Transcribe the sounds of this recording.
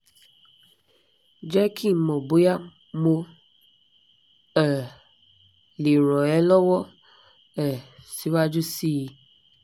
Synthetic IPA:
d͡ʒɛ˦kʰĩ˦˨mɔ̃˨bo˨˦ja˦˨ | mo˧ | ɛ˨ | li˨ɾɔ˨ɛ˨˦lɔ˦wɔ˦ | ɛ˨si˨˦wa˦d͡ʒu˦si˦ji˧

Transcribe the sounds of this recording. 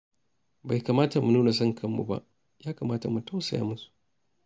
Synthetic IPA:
ba˨jkaː˨maː˦ta˨mu˨nuː˦na˨s̬ɐ˦ŋkʰɐ˦˨mːṵ˨ba̰˦ʔ | jaː˦kaː˨maː˦ta˨mu˨ta˦wsa˨ja̰ː˦mʊ˦su̥˨

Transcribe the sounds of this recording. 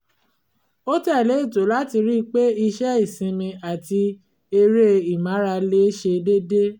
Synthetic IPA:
o˦tɛ˦˨le˨˦i˦˨to˨˦la˦ti˧ɾi˦˧k͡pe˦i˧ʃɛ˦i˦˨sĩ˧mĩ˧a˨ti˧ | e˧ɾe˦i˨mã˨˦ɾa˧le˦ʃe˧de˦de˦

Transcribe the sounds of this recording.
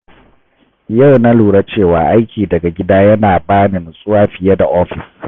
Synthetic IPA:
ja˦˨wna˦luː˨ɽa˦t͡ʃeː˦˨waː˨ʔa˦jkʲʰiː˨dɐ˨ɡa˨ɡʲɪ˦daː˦jɐ˦naː˨baː˦nɪ˨nsʼʊ˦waː˦ɸɪ˨ja˦da˨ʔɔː˦ɸɪ˨s

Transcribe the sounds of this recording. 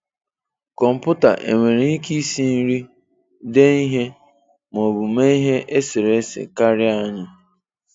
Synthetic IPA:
kɔ˨m̩˨pʊ˦ta̰˨ʔḛ˨ŋʷe˨ɾe˨i˦ki˦si˦n̩˦ɾi˦ | de˦i˦ɦe˦ | m˨o˨bu˨me˦i˦ɦe˦ʔe˦sɪ˨ɾe˦sḛ˨ka˦ɾɪ˦a˦ɲa˦

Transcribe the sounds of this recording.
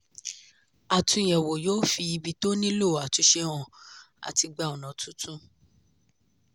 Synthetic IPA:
a˨tũ˧˨j̃ɛ˨wo˨jo˦fi˧i˧bi˧to˦nĩ˦lo˦˨a˨tu˨˧ʃe˧w̃ɔ̃˧˨ | a̰˨ti˧ɡ͡ba˧˨ɔ˨nã˨tʰũ˦tʰũ˦

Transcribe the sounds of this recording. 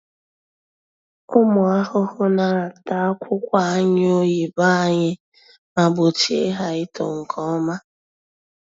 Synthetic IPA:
ʊ˦mʊ˨a˦hʊ˦hʊ˦na˨ɾa˨ta˨˦kʷʰʊ˦kʷa˦a˦ɲɪ˦o˦ji˨ba˦a˦ɲɪ˦ | ma˨bo˨t͡ʃe˦ɦa˨ɪ˦to̰˨ŋ̩˨kʰɔ˦ma˦

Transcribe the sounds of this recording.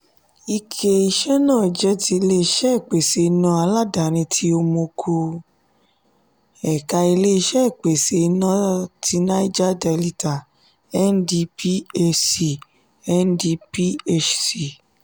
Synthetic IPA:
i˧kʰe˧i˧ʃɛ˦nãː˦˨d͡ʒɛ˦ti˧i˧le˦i˧ʃɛ˦˨k͡pe˨se˨˧i˧nã˧˦a˧la˦˨da˨ɾ̃ĩ˧tʰi˧˦o˧mo˧kʰo˧ | ɛ˨ka˧i˧le˦i˧ʃɛ˦˨k͡pe˨se˨i˧nã˦ti˧˦nã˦i˦d͡ʒa˦dɛ˧li˧ta˨ | ɛ˦ndi˧pi˦e˧si˨ | ɛ˦ndi˧pi˦e˦t͡ʃsi˨

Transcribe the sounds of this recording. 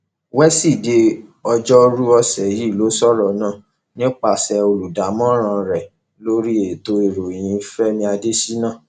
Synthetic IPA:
wɛ˦si˦˨de˧ɔ˧d͡ʒɔ˦ɾu˦ɔ˧sɛ˨ji˦˨lo˨˦sɔ˦˨ɾɔ˨nãː˦˨ | nĩ˦k͡pa˦˨sɛ˧o˧lu˨da˨˦mɔ̃˦ɾ̃ã˧ɾɛ˨ | lo˦ɾi˦e˨to˧e˨ɾo˨j̃ĩ˨˦fɛ˦mĩ˧a˧de˦si˦nã˦˨

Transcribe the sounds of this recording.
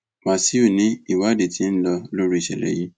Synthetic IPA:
mã˨si˦u˦˨nĩ˨˦i˦˨wa˨˦de˨tĩ˨˦n̩˦lɔ˧lo˦ɾi˦i˨ʃɛ̰˨ɾɛ̰˨ji˦

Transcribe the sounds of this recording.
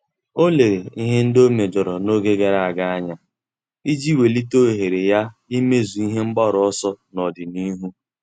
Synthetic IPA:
o˦le˨ɾe˨i˦ɦe˦n̩˦do˦me˨d͡ʒɔ˨ɾɔ˨no˦ɡe˦ɡe˨ɾa˦˨a˨ɡa˦a˦ɲa˦ | i˦d͡ʒi˦we˨li˦to˦e˨ɦe˨ɾe˨ja˦i˦me˦zu˨i˦ɦe˦ŋ͡m̩˦ɡ͡ba˦ɾɔ˨˦ɔ˦sɔ˦nɔ˨dɪ˨ni˦ɦu˦

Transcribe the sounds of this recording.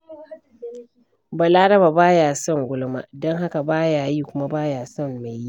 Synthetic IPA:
ba˨laː˦ɽɐ˦ba˨baː˦jaː˨sɔ˦˨ŋɡʷʊ˦lma̰˦dɔ˦ŋɦa˦ka˨baː˦jaː˨jiː˦kʷʊ˦ma˦baː˦jaː˨sɔ˦˨mːa˨ji˦

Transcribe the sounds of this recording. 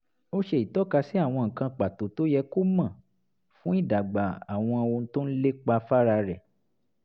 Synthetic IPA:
o˦ʃe˧˦i˨tɔ˨˦ka˧si˦a˦˨w̃ɔ̃˧ŋ̩˨kã˧k͡pa˨to˨to˦jɛ˧ko˦mã˨ | fũ˦i˦˨da˨ɡ͡ba˨a˨w̃ɔ̃˧o˧n̩˦to˦n̩˦le˦k͡pa˧fa˦ɾa˧ɾɛ˨

